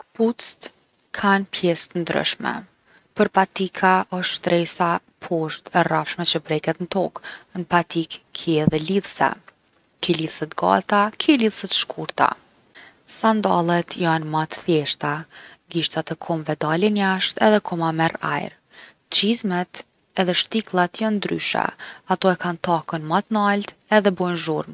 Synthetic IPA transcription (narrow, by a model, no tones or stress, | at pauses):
kput͡st̪ | kʰanpʰjɛst̪ənd̪ɾə̰ʃmɛ̰ | pəɾpat̪ikʰaʔɔʃt̪ʃt̪ɾɛsa | pʰɔʃt̪ɛrafʃmɛt͡ɕəpɾɛkɛt̪nət̪ɔknpat̪ikkʰːiɛðɛliðsa̰ | kiliðsɛt̪ɡa̰t̪akʰiliðsɛt̪ʃkʰuɾt̪a̰ | sand̪alˠɛt̪ʰjanmat̪θjɛʃt̪aɡiʃt̪at̪ɛkʰɔmvɛd̪alɛnjaʃt̪ɛðɛkʰɔmamɛɾa̰jɾ | t͡ɕizmɛt̪ | ɛðɛʃt̪iklˠat̪jand̪ɾy̰ʃa̰at̪ɔɛkant̪akənmat̪nalt̪ɛðɛbɔjnʒuɾm